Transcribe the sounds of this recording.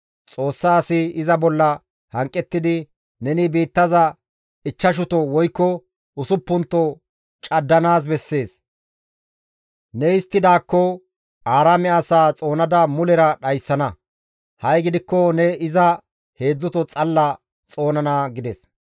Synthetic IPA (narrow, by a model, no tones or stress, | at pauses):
t͡sʼo̞ːsːaːsɪɪzɐbɔlːɐ | hɐŋkʼːɛt̪ːɪd̪ɪ | nɛnɪbiːt̪ːɐzɐ | ɪt͡ʃːɐʃ̬ʊt̪ɔwɔjkːɔ | ʊsʊpːʊnt̪ːɔ | t͡ʃʼɐd̪ːɐnaːs̬bɛsːe̞ːs | nɛɪst̪ːɪd̪aːkːɔ | aːɾamɛasaːt͡sʼo̞ːnɐd̪ɐmʊlɛɾɐɗɐjsːɐnɐ | hɐjɡɪd̪ɪkːɔnɛɪzɐ | he̞ːd͡zːʊt̪ɔt͡sʼɐlːɐ | t͡sʼo̞ːnɐnaɡɪd̪ɛs